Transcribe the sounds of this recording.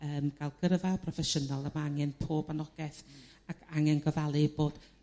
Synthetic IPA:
əːmɡ̥alˠɡ̥ərvapʰrɔfɛʃənɔlˠəmaaŋɛnpʰoːbanɔɡ̥ɛθ | akʰaŋɛnɡəvalˠɨboːd̥

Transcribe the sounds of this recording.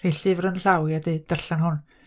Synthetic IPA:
reɬɨvɾənɬawjadeːd̥ərɬanɦʊn

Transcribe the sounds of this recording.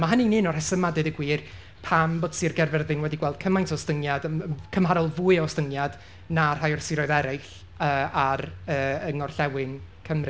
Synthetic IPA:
maɦənininɔr̥hɛsəmadɨdəɡwiːr | pʰamboːd̥sirɡɛrvɛrðɨnwɛdiɡwɛlˠd̥̚kʰəmajntʰɔstəŋjadəməkʰəmhaɾɔlˠvuːɨastəŋjad̥ | nar̥ajɔrsɪɾɔɨðɛɾɪɬ | əːaɾəːəŋɔrɬɛwɪnkʰəmrɨ

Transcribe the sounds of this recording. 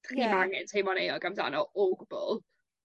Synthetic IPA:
rimaŋɪntʰejmɔnejɔɡamda̰nɔʔoɡbʊlˠ

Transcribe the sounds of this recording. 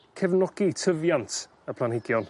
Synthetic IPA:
kʰɛvnɔɡ̥itʰəvjantʰ | əpʰlˠanhɪɡjɔn

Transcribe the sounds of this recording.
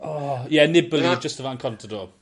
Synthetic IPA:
ɔjɛnɪbəlˠid͡ʒəstəvankʰɔntʰɔdɔ

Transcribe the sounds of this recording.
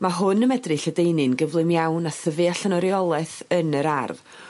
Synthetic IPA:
maɦʊnəmɛdrɨɬədejnɨnɡəvlˠɨmjawnaθəvɨaɬənɔɾjɔlˠɛθənəɾarð

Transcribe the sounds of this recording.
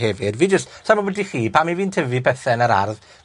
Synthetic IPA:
hɛvɪdviːd͡ʒəstsamɔwɛdiχiːpʰamiviːntʰəvipʰɛθɛnəɾa̰rð

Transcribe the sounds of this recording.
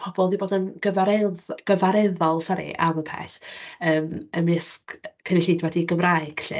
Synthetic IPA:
pʰɔbɔlˠdiboːdənɡ̥əvaɾɛðɡ̥əvaɾɛðɔlˠsɔɾḭʔa̰məpʰɛ̰ɬəːməmɪskkʰənɪɬiːdwɛdiɡəmrajɨɡ̥ɬɨ̰

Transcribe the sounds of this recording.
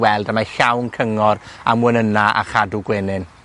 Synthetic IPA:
wɛlˠdamaɬawnkʰəŋɔra̰mwənənaʔa̰χaduɡwɪnɨn

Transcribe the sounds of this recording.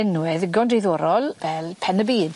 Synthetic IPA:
ɪnwɛðɪɡɔndiðoːɾɔlˠvɛlˠpʰɛnəbiːd̥

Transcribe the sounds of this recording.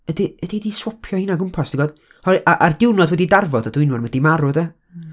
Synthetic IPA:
ədiədidiswɔpʰjɔhiːnaɡʊmpʰasd̥iɡɔd | hɔjʔaʔardɪwnɔdwɛdidarvɔdadwɪnwʊrwɛdimaɾʊdɛ

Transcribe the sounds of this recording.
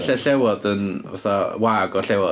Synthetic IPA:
ɬɛɬɛwɔdənva̰θɔwaːɡɔɬɛwɔ

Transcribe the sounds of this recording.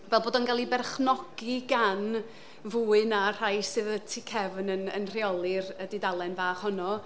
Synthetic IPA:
vɛlˠboːdɔnɡalˠibɛrχnɔɡ̥iɡan | vuːɨnar̥ajsɨðətʰikʰɛvnənə̰nr̥iɔlˠɨrədidalˠɛnvaːχhɔnɔ

